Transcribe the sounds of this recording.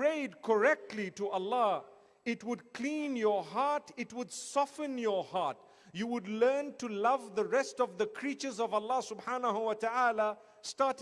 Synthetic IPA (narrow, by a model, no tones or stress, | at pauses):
ɹeɪd̚kʰəɹɛk̚tʰˡlitəʔəlːɑ | ɪt̚wɨd̚kʰl̥ĩnjə˞ɦɑɹtɪt̚wədsɔfə̃njəhɑɹt | juwʊdˡlɜ̃˞ntʰɨlʌvðəɹɛstʌvðəkʰɹ̥it͡ʃə˞zʌvəlːɑsʊbħanəɦuwʌtaala | stɑɹt